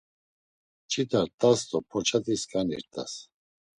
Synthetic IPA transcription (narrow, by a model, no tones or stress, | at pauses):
t͡ʃʼʰit̪ʰaɾt̪ʼast̪ʼɔpʰɔt͡ʃʰat̪ʼiskʼanḭɾt̪ʼa̰s